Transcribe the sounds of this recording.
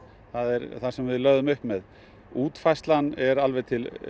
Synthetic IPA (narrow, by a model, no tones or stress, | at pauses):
θaðɛɾθasɛmvɪðlœɥðʏmʏhpmɛð | uːt̪fajst̪lanɛɾalvɛt̪ʰɪl